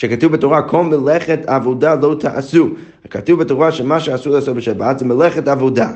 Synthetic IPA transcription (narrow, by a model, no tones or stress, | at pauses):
ʃɛkatuvbɪtɔʁakʰɔlˠmɪlˠɛχɛtʰavodalˠoʊtʰaʔasu | katuvbɪtɔʁaʃɛmaʃɛasulˠɛasɔbɪʃabatzɛmɪlˠɛχɛtavoda